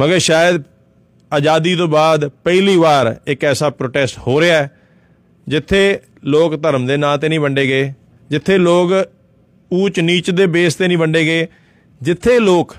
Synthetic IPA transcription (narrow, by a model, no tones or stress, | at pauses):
məɡəɾʃaːjəd̪ | aːd͡ʒaːd̪iːt̪̬õːbaːd̪pəiliːʋaːɾɪkɛːsaːpɾoːʈɛːsʈhoːɾeaːɛː | d͡ʒɪt̪ʰːeː | loːkt̪əɾəmd̪eːnaːt̪̬eːnĩːbəɳɖeːɡəeː | d͡ʒɪt̪ʰːeːloːk | uːt͡ʃniːt͡ʃd̪eːbeːst̪eːnĩːbəɳɖeːɡəeː | d͡ʒɪt̪ʰːeːloːk